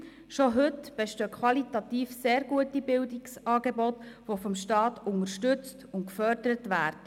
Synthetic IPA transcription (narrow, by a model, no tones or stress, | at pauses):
ʃoɦɵtb̥eʃtøːkʰwɑlitɑt̪iːfseːɾɡuətibɪldiksɑːɡebɔt̪ʋofɔmʃtɑːtʊŋəʃtɵt͡stʊntkfœɾdəɾətʋæːɾd̥ə